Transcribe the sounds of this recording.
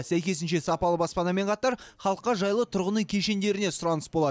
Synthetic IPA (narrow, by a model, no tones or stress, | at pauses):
sæjkʲe̞s̬ɪnʃe̞sɑpɑlˠəbɑspɑnɑme̞ɴqʰɑt̪ɑɾχɑlˠəqːɑʒɑjlˠət̪ʰʊɾʁənəŋkʲʰe̞ʃe̞nd̪e̞ɾɪne̞sʊɾɑnəsbo̞lˠɑ